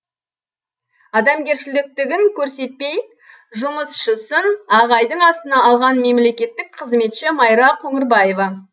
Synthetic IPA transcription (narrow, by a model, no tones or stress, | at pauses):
ɑd̪ɑmɡʲe̞ɾʃɪlɪk̚t̪ɪɡʲɪŋkʲʰɵɾse̞t̪̚pe̞j | ʒʊməsʃəsənɑʁɑjd̪əɴɑst̪ənɑɑlˠʁɑnme̞mle̞kʲe̞t̪ːɪk̚qʰəzme̞t̪ʃɪmɑjɾɑqʰɵŋɪɾbɑjevɑ